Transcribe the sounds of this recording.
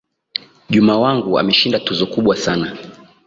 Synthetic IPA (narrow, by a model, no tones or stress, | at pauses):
ʄumaːwaŋɡua̰mɛʃindatuzɔkuɓwasana